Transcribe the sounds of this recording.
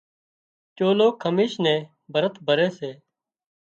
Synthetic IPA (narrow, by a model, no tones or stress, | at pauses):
t͡ʃoːloːkʰəmiːʃnẽː | bʱəɾət̪ʰbʱəɾeːseː